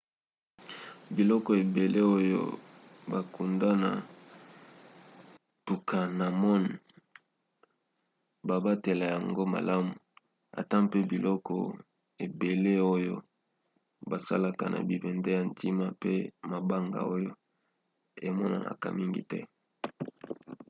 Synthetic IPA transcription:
bi˨lɔ˦kɔ˨e˨be˨le˦o˦jo̰˦ba˨ku˨nda˦na̰˨ | tu˨ka˨na˨mɔ˦n˨ | ba˨ba˦te˨la˨ja˨ŋɡo˦ma̰˨la˦mu˨ | a̰˨ta˦pe˦bi˨lɔ˦kɔ̰˨ | e˨be˨le˦o˦jo˦ | ba˨sa̰˦la˨ka˨nʔa̰˨bi˨bɛ˨nde˦ja˨ntʰi˦ma˦pe˦ma˨ba˦ŋɡa̰˨o˦jo˦ | e˨mɔ˦na̰˨nʔa̰˨ka̰˨mi˦ŋɡḭ˨tɛ̰˦

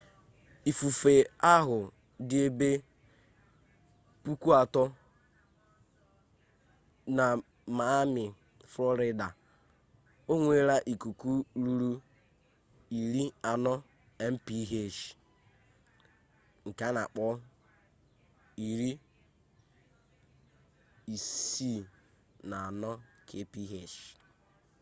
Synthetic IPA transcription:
i˨fu˨fe˨a˦ɦʊ˨ | dɪ˦e˦be˦ | pu˦ku˦a˨tɔ˦ | na˨ | ma˨˦mɪ˨ | flɔ˦ɾɪ˦da˨ | o˦ŋʷe˦ɾa˦ʔi˨ku˨ku˦ɾu˦ɾu˦ | i˨ɾi˦a˨nɔ˦ | ɛ˦m̩˦pi˦ɦe˦˨ʃ | ŋ̩˨ka˦na˨k͡pɔ˦ | i˨ɾi˦ | i˨si˦˨ | na˨a˨nɔ˦kʰe˦pi˦ɦe˦˨ʃ

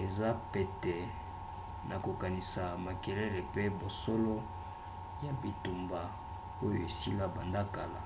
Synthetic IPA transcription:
e˨za˦pe˨tɛ˨ | nʔa˨ko˨ka˨ni˨sa˨ma˨ke˨le˦le˨pe˦bo˨so˦lo˦ | ja˨bi˨tu˨mba˨ | o˦jo˨e˨si˦la˦ba˨nda˦ka˨la̰˨

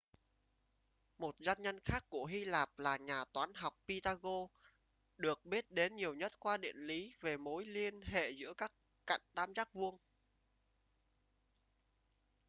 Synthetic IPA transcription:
mo˨˩t̚zaː˧nɲə˧nxaː˦˥kːu˧˩əɦi˧laː˨˩p̚laː˨˩ɲaː˨˩t̪waː˨˦nɦa˨˩wk͡p̚pi˧t̪aː˧ɣo˧ | ɗɨ˨˩ək̚ɓi˦˥ət̚ɗe˨˦nɲi˨˩əwɲə˦˥t̚kwaː˧ɗḭ˧˨ənli˨˦ve˨˩mo˨˦jli˧ənɦḛ˧˨zɨ̰˧˥əkaː˦˥kːa̰˧˨jŋ̟t̪aː˧mzaː˦˥k̚vu˧əŋ

